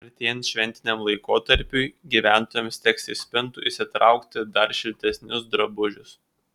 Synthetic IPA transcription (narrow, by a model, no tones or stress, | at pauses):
ɐɾʲt̪ʲiɛnʃʲʋʲɛnʲt̪ʲɪnʲɛmlˠɐɪkoːt̪ɐɾʲpʲʊɪɡʲiːʋʲæˑnt̪oːjɛmst̪ʲɛksʲɪsʲpʲɪnt̪ʊʔɪsʲɪt̪ɾɐˑʊkt̪ʲɪd̪ɐɾʃʲɪlʲt̪ʲɛsʲnʲʊsd̪ɾɐbʊʒʲʊs